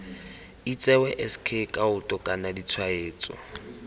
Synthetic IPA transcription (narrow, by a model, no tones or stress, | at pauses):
it͡sʼɛwɛʔɛskʰekʼaʊtʼɔkʼanadit͡sʰwaeːt͡sʼɔ̰